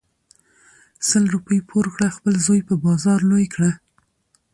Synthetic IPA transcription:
səlɾupəjpʰoɾɣɽaxpəlzɑjpəbɑzɑɾlojkɽa

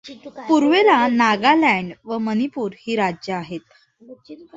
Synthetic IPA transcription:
puɾʋelanaɡalɛɳɖʋəmənipuːɾhiːɾad͡ʑjəaɦet̪̚

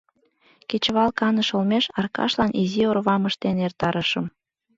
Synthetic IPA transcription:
ket͡ɕβɑlkɑnəʃolmeʃɑrkɑ̰ʃlɑnʔiziorβɑməʃt̪enert̪ɑɾəʃəm

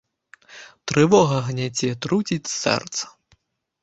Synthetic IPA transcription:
t̪ɾɨvɔɣɐɣnʲat͡sʲɛt̪ɾut͡sʲit͡sʲsɛ̰rt̪sɐ̥

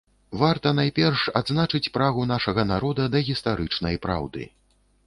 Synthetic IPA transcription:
vart̪ɐnajpʲɛrʂa̰d̪znat͡ʂɨt͡sʲpɾaɣunaʂɐɣɐnaɾɔd̪ɐd̪ɐɣʲist̪aɾɨt͡ʂnɐjpɾa̰wd̪ɨ̰

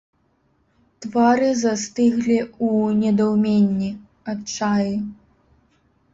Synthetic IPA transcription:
t̪vaɾɨzast̪ɨɣlʲiunʲɛd̪awmʲenʲːi | at͡ʂaji

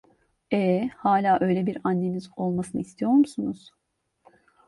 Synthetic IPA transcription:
ɛhaːlʲaːʔø̞jlʲebiɾanːe̞mizo̞lˠmasɯnɯist̪ʰijo̞ɾmusunuz̥

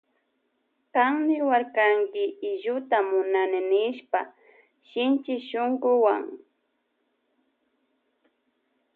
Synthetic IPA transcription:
kaŋmɪwaɾkaŋkɪɪʒʊt̪amʊnanɪnɪʃpa | ʃɪnt͡ʃɪʃoŋɡʊwa̰ŋ

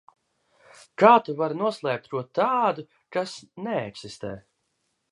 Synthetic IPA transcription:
kaːt̪uvaɾnuɔslˠɛːp̚t̪ɾuɔt̪aːd̪u | kasnɛɛksist̪ɛː

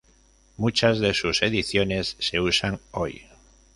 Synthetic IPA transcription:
mut͡ʃazðe̞suse̞ðiθjo̞ne̞sːe̞usaŋo̞j

